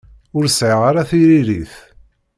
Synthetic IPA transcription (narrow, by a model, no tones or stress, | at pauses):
ʊɾsʕəʁaɾaθiɾiɾiθ